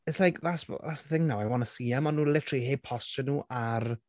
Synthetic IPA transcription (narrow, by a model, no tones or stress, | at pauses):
ɛslajkʰðasðasəθɪŋnawɛwɔnəsiːamɔnːuːlɪtʰriːheːpʰɔsɔnuːʔar